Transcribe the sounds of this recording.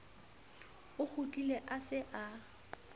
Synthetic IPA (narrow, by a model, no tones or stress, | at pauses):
ʊk͡xʰut͡ɬʼileʔasɪʔa